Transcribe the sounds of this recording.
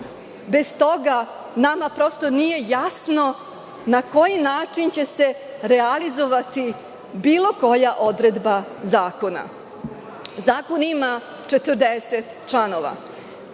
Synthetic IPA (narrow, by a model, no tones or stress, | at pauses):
be̞st̪o̞ɡa | namapɾo̞st̪o̞nije̞jasno̞ | nako̞jinaːt͡ʂint͡ɕe̞se̞ | ɾealizo̞ʋat̪i | biːlˠo̞ko̞jaʔo̞d̪ɾed̪bazaːko̞na̰ | zaːko̞nima | t͡ʂet̪ər̩d̪eset̪t͡ʃlano̞ʋa̰